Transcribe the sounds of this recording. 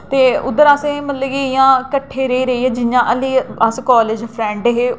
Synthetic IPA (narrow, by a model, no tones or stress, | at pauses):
t̪eːʊ̰d̪əɾaːsẽːmət̪ləɡiɪjãːkəʈʰːeːɾəiːɾəiːɛːd͡ʒɪjãːʔəliːaskɔːleːd͡ʒpʰɾɛ̃ːɳɖɦeː